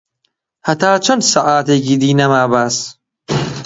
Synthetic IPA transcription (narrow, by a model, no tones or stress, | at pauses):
hɐt̪ʰaːt͡ʃʰɐnd̪saʔaːt̪ekid̪iːnɐmaːbas